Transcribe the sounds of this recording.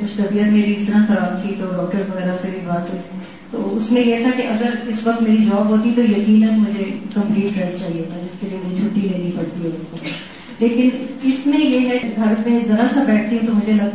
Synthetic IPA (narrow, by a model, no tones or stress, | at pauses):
kʊt͡ʃʰt̪ɐbiət̪meːɾiɪst̪əɾaxɐɾaːb̚t̪ʰit̪oɖɔːk̚ʈəɾzʋɐɣɛːɾasebʱibaːt̪ɦot̪ɛ̃ | t̪oːʊsmẽjet̪ʰakeʔɐɡəɾɪsʋɐk̚t̪meːɾid͡ʒɔːbɦoːt̪it̪ojɐkiːnɛt̪mʊd͡ʒʱekɐ̃mpliːʈɖɾɛst͡ʃaːɦiet̪ad͡ʒɪskeliemeːd͡ʒit͡ʃʰʊʈːiɾɐnipɐɽt̪iɦɛɪsmek | leːkɪnɪsmẽjemɛ̃ɡʱɐɾmẽzɐɾasabɛːʈ̚ʰt̪iɦũt̪omʊd͡ʒʱelɐ